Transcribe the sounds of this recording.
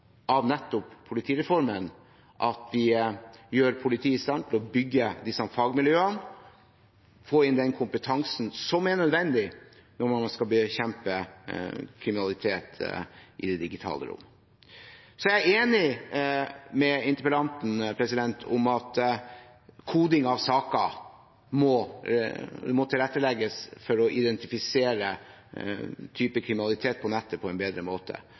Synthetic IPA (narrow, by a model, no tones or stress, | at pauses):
ʔɑʋnɛt̪ːʊpʰːʊlɪt̪ʰiːɾɛfɔɾmən | ʔɑt̪̚d̪ɪjøːɾpʰʊlɪt̪ʰiːɪst̪ɑnt̪ʰɪlɔbʏɡːəd̪ɪsːɑfɑɡmɪljøːən | foːɪnd̪ɛnkʰʊmpət̪ʰɑŋsn̩sɔmæɾɳœd̪ʋɛnd̪ɪ | nɔɾmɑskɑbəçɛmpə | kʰɾɪmɪnɑlɪt̪ʰeːt̪ʔɪ̰d̪ɛd̪ɪɡɪt̪ʰɑ̰ːlə̰ɾʊ̰mː | sɔæeːnɪ | mɛɪnt̪əpəlɑnt̪n̩pʰɾɛsɪd̪ɛnt̪ʰʊ̰mɑt̪ | kʰuːd̪ɪŋɑʋsɑːkɑ | mɔ | mɔt̪ʰɪlɾɛt̪ːəlɛɡəsfɔɾɔʔɪd̪ɛnt̪ɪfɪseːɾə | t̪ʰyːpəkʰɾɪmɪnɑlɪt̪ʰeːt̪̚pʰɔnɛt̪ʰːəpʰɔɛnbeːd̪ɾəmoːt̪ʰə̰